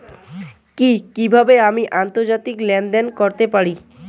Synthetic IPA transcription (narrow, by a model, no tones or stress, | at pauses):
kikibʱabeamiʔant̪oɾd͡ʑat̪iklɛnɖ̪enkoɾt̪epaɾi